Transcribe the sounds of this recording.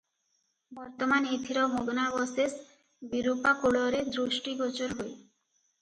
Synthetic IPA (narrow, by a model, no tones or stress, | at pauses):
bɔɾt̪omanet̪ʰiɾɔmʱoɡnabɔses | biɾupakoɽoɾed̪ɾuʃʈiɡɔt͡ɕoɾɦoe